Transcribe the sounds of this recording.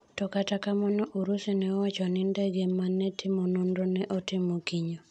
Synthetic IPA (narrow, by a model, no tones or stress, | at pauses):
tɔkatakamɔnɔʔuɾusinɛɔwat͡ʃɔnɪndɛɡemanːɛtʰɪmonundonɛʔɔtɪmokiɲo